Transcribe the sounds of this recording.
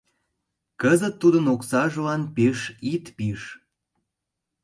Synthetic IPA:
kəzət̪ːud̪ənoksɑʒəlɑnpeʃit̪piʃ

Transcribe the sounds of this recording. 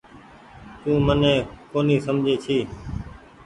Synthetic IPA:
t̪ũːmənẽːkoːniːsəmd͡ʒʱeːt͡ʃʰiː

